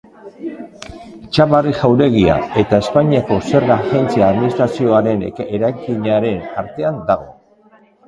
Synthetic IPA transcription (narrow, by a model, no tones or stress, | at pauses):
it͡ʃaβariʝawɾe̞ɣ̞ia̰e̞t̪ae̞spaɲiako̞se̞ɾɣaxe̞nt͡siaːðminist̪ɾasio̞aɾe̞neɾajkiɲaɾe̞naɾt̪e̞and̪aɣ̞o̞